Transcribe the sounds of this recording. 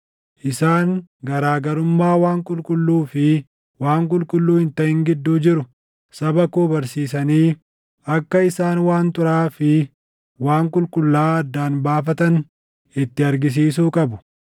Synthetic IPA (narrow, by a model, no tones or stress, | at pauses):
ʔɪsaːŋɡɐɾaːɡɐɾʊmːaːwaːŋkʼʊlkʼʊlːuːfɪ | waːŋkʼʊlkʼʊlːuːhɪnt̪ɐhɪŋɡɪd̪ːuːd͡ʒɪɾʊ | sɐbɐkoːbɐɾsiːs̬ɐniː | ɐkːɐɪsaːnwaːnt̪ʊɾaːfɪ | waːŋkʼʊlkʼʊlːaːɐd̪ːaːnbaːfɐt̪ɐn | ɪt̪ːɪɐɾɡɪs̬iːs̬uːkʼɐbʊ̥